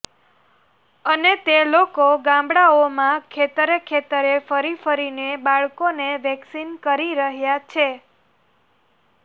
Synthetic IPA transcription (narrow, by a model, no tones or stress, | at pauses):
ənet̪elokoɡãmbɽaomãkʰet̪əɾəkʰet̪əɾefəɾifəɾinebaɭkoneʋɛksinkəɾiɾəɦjat͡ʃʰe